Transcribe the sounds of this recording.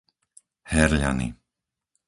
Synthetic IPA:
hɛɾʎa̰nḭ

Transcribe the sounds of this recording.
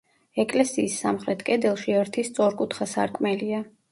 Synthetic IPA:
ɛkʼlɛsiːsːamχɾɛt̪ʰkʼɛd̪ɛlˠʃiɛɾt̪ʰist̪sʼɔɾkʼut̪ʰχasa̰ɾkʼmɛlia

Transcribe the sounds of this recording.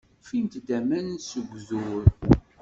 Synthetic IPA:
fint̪d̪æmænnsəɡʷzuɾ

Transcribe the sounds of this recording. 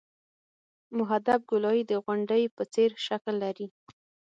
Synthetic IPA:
mʊɦad̪ab̚ɡʊlɑjid̪əɣwʊɳɖəjpət͡seɾʃaklːaɾi

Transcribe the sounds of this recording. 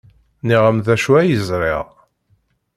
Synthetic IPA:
niʁəmðæʃuæjəzɾɪ̰ʁ

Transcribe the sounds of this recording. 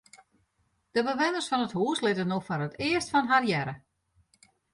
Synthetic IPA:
d̥əbəʋɪnərsfɔnəthuːslɪtənofɔrətɪəstfɔnɦarjɛɾə

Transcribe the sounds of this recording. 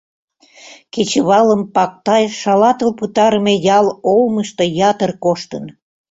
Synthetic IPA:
ket͡ɕeβɑləmpɑk̚t̪ɑjʃɑlɑt̪əlput̪ɑɾəmejɑlolməʃt̪ojɑt̪ərkoʃt̪ən

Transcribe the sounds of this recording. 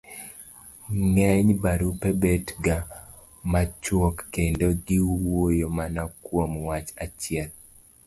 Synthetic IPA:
ŋɛɲbaɾupebetɡa | mat͡ʃwɔkːendoɡɪwojomanakwomwat͡ʃat͡ʃjɛl

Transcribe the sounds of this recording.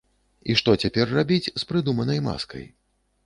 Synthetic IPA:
iʂt̪ɔt͡sʲapʲɛrːabʲit͡sʲspɾɨd̪umɐnɐjma̰skɐ̰j

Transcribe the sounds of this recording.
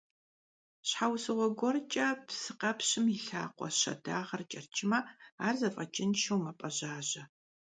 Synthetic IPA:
ɕħawsɨʁʷɔɡʷɔrt͡ʃʼɐpsɨqɐpɕɪmiɬa̰ːqʷʼɔ̰ɕɐ̰daːʁɐrt͡ʃʼɐrt͡ʃʼɪmɐaːrzɐfʼɐt͡ʃʼɪnʃɐwmɐpʼɐʑaːʑɐ

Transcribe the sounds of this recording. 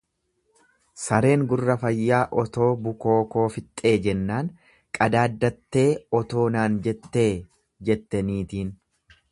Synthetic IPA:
sɐɾe̞ːŋɡʊrːɐfɐjːaːʔɔt̪o̞ːbʊko̞ːko̞ːfɪt̪ʼːe̞ːd͡ʒɛnːaːŋ | kʼɐd̪aːd̪ːɐt̪ːe̞ːɔt̪o̞ːnaːnd͡ʒɛt̪ːeː | d͡ʒɛt̪ːɐniːt̪iːn

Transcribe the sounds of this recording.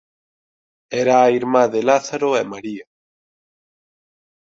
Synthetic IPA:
eɾaːiɾmaðelaθaɾoemaɾia

